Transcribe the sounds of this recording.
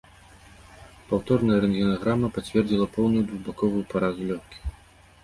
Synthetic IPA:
pawt̪ɔrnɐjɐɾɛnɡʲinaɣɾamɐpat͡sʲvʲɛrd͡zʲilˠɐpɔwnujud̪vubakɔvujupaɾazulʲɔxkʲi̥

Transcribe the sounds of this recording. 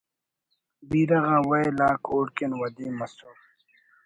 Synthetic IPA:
biːɾɐɣãːwɐjlaːkʰoːɽkenwɐd̪iːmɐsuɾ

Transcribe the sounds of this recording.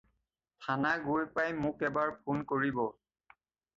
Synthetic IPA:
tʰanaɡujpajmʊkɛbaɹpʰunkoɹibɔ

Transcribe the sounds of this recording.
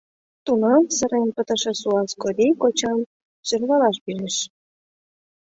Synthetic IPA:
t̪unosəɾenpət̪ə̆ʃĕsuɑskoɾikot͡ɕɑm | sørβɑlɑʃpiɾeʃ

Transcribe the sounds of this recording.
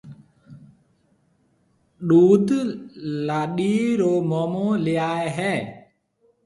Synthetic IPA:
ɗuːd̪ | laːɗiːɾoːmoːmõːlɪjaːeɦɛː

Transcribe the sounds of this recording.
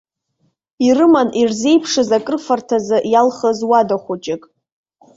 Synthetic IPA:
irɨmanirze̞jpʰʂɨzakʼɨrfartʰazɨʔjalχəzwadaχʷʊt͡ʃʼɪkʼ

